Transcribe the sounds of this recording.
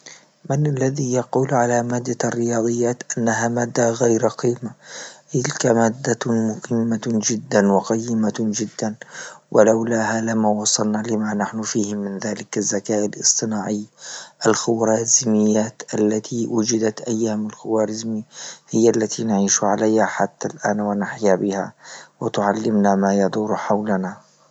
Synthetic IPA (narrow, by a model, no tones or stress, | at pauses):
mɪnʔalːaðijɑquːlʕalamaːd̪ːarːɪjɑːd̪ˤɨjːaːt̪ʔanːaɦaːmaːd̪ːaɣajɾɑqiːmat̪ɪlkamaːd̪ːamʊhɪmːad͡ʒɪd̪ːanwɪqɑjːɪmad͡ʒɪd̪ːanwʔalawlaːhalamaːwɑsˤːɑlnaːlɪmanaħnʊfiːhɪmɪnðaːlɪkazːakaːʔalʔɨ̰sˤt̪ˤɨnaːʕɪjːʔalxʊwɾɑːzmɪjːaːt̪ʔalːat̪ʰiwʊd͡ʒɪd̪at̪ʔajːaːmalxʊwaːɾɪzmihɪjːalːat̪ʰinaʕiːʃʕalajhaħat̪ːalʔaːnwanaħjabɪha̰wɪt̪ʊʕalːɪmnamaːjɑd̪ˤuːɾħawlana